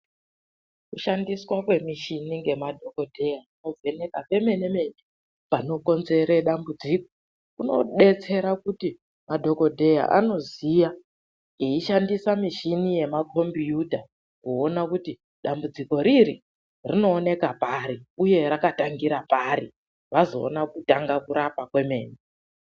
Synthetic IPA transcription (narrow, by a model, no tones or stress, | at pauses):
kuʃandiswakwe̞miʃiniŋɡe̞madʱo̞ko̞dʱejauno̞vʱe̞ne̞kape̞me̞ne̞me̞ne | pano̞ko̞nze̞ɾe̞ɗambud͡ziko̥ | kuno̞̰ɗe̞t͡se̞ɾakuti | madʱo̞ko̞dʱe̞ja̰ʔa̰no̞zija | iiʃandisamiʃinije̞makʰo̞mbijuta | kuonakuti | ɗambud͡ziko̞ɾiɾi | rino̞ːne̞kapaɾiuje̞ɾakataŋɡiɾapaɾi | ʋazo̞̰ːnakutaŋɡakuɾapakwe̞me̞̰ːne